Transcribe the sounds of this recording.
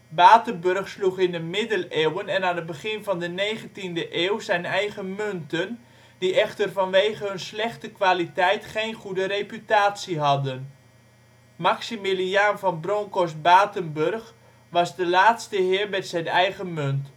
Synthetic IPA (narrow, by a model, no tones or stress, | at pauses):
baːtənbørχsluχɪndəmɪdəleːwənɛnaːnəd̚bəχɪnvɑndənejχəntindəʔeːwzɛjnɛjχəmøntən | d̥iɛχtərvɑnʋejɣəɦønslɛχtəkʋaːlitɛjtχejnχudəɾepytaːtsiɦɑdən | maksimilianvɑnbroŋkosbaːtənbørχ | ʋɑzdəlaːtstəɦɪːɹmɛtsɛjnɛjɣəmønt